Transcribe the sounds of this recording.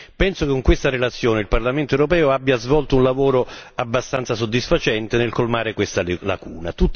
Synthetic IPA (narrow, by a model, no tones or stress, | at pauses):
pɛnsokɪŋkwest̪aɾelat̪sːjoːnɪilparlament̪oɛwɾopɛːoabːjazvɔlt̪ounlavoːɾoabːast̪ant̪sas̬od̪ːisfat͡ʃɛnt̪ɪnɪlkolmaːɾɪkwest̪ala̰kuːnat̪ut̪ː